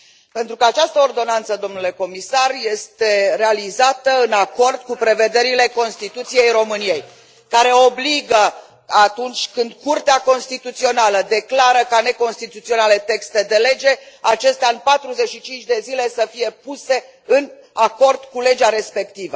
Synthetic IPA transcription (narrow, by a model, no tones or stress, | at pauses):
pe̞nt̪ɾukəat͡ʃast̪əord̪o̞nant̪səd̪o̞mnule̞ko̞misarje̞st̪e̞ɾe̞alizat̪əɨnako̞rd̪kupɾe̞ve̞d̪e̞ɾile̞ko̞nst̪it̪ut̪sije̞jɾo̞mɨnije̞j | kaɾe̞obliɡə | at̪unt͡ʃʲkɨnd̪kurt̪eako̞nst̪it̪ut̪sio̞naləd̪e̞klaɾəkane̞ko̞nst̪it̪ut̪sio̞nale̞t̪e̞kst̪e̞d̪e̞le̞d͡ʒe̞at͡ʃe̞st̪eaɨnpat̪ɾuze̞t͡ʃʃit͡ʃint͡ʃʲd̪e̞zile̞səfije̞puse̞ | ɨn | ako̞rd̪̥kule̞d͡ʒaɾe̞spe̞kt̪ivə